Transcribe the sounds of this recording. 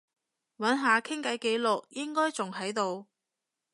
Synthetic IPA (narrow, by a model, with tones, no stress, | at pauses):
wɐ˨˥nɦaː˨˧kʰɪ˥ŋkɐ˨˥jke˨˥jlʊ˨k̚jɪ˥ŋkɔː˥jt͡sʊ˨ŋɦɐ˨˥jt̪o˨˧w